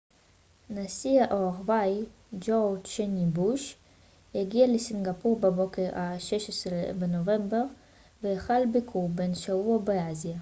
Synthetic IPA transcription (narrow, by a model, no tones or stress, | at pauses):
nasiaʔoaʁvaj | d͡ʒoʁʃenibuʃ | heɡialesinɡapuʁbebo̞keʁaʃeʃesʁebenovembeʁ | vejaχalbikʰuʁbenʃavuabeazija